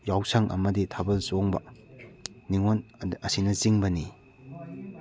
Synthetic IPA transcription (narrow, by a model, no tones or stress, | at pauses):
jawsɐŋʔɐ̰mɐditʰabɐlsoŋbɐ̰ | niŋonɐsinɐt͡ʃiŋbɐni